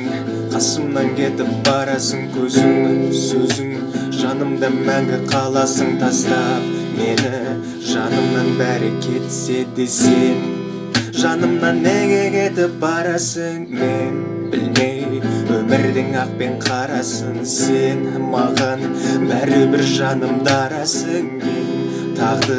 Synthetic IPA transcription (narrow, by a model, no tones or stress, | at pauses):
qʰɑsəmnɑŋkʲʰe̞t̪ɪp̚bɑɾɑsəŋkʲʰɵzɪŋsɵzɪŋ | ʒɑnəmd̪ɑmæŋɡʲɪqʰɑlˠɑsəŋt̪ʰɑst̪ɑme̞nɪ | ʒɑnəmnɑnbæɾɪkʲʰe̞t̪ɪ̥se̞d̪e̞sen | ʒɑnəmnɑnːeɡʲeɡʲet̪ɪp̚bɑɾɑsəŋmen | bɪ̰lme̞jwɵmɪɾd̪ɪŋɑq̚pe̞ɴqʰɑɾɑsəɴ | se̞n | mɑʁɑn | bæɾɪbɪɾʒɑnəmd̪ɑɾɑsəŋ | t̪ʰɑʁd̪ə